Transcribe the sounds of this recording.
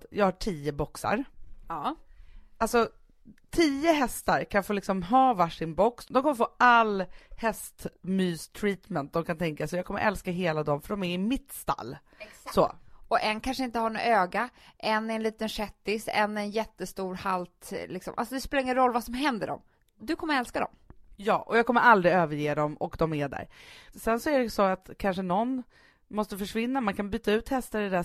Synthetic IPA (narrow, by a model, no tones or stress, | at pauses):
t̪jɑːɡhaʈʰiːəbɔksa̰ɾ | alsɔ | t̪ʰiːəɦɛst̪aɾkʰanfoːlɪksɔmɦɑːvaʂɪnbɔksd̪ɔmkʰɔmːəɾfoːalːhɛst̪myːst̪ʰɾiːt̪mɛnt̪̚d̪ɔmkʰant̪ʰɛŋkasɔjɑɡkʰɔmːəɾʔɛlskaɦeːlad̪ɔmfœɖɔmæɾɪmɪt̪st̪a̰lː | sɔ̰ɔʔɛnkʰanʂəɪnt̪əhaɳɔ̰øːɡaʔɛnːɛɛnliːt̪ənʂɛt̪ːɪsɛ̰nːɛnjɛt̪ːəst̪uːɾhalt̪lɪksɔmʔa̰lsɔd̪ɛspeːlaɾɪŋənɾɔlːvasɔmɦɛnd̪əɖɔ̰m | d̪ɵkʰɔmːəɾɛlskad̪ɔ̰mjɑ̰ːʔɔjɑːɡkɔmːəɾʔald̪ɾɪøːvəɾjeːd̪ɔmɔkd̪ɔmæɖæ̰ːɾsɛnsɔæɖɛsɔat̪kʰanʂənɔnː | mɔst̪əfœʂvɪnːamankʰanbyːt̪aʉ̟ːt̪hɛst̪aɾɛd̪æ